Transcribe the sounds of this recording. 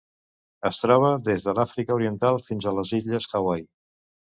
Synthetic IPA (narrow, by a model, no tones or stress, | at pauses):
əst̪ɾɔβ̞əðezðəlafɾikəuɾiənt̪alˠfinzələziʎəsxawaj